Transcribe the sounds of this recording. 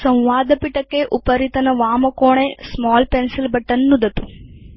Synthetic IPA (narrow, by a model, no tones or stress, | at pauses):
sɐ̃w̃ʋaːd̪ɐpiʈɐkːeʔupɐɾit̪ɐnɐʋaːmɐkoːɳesmaːlpensilbɐʈːɐnːud̪ɐt̪u̥